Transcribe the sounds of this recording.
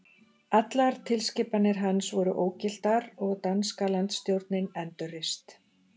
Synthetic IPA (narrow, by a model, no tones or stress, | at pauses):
at̪laɾ̥t̪ʰɪlscɪːpanːɪɾ̥ɦansvɔɾʏʔoːwcɪl̥t̪aɾɔɣt̪anskalant̪st̪jowɾt̪nɪnɛnt̪ʏrɪst̪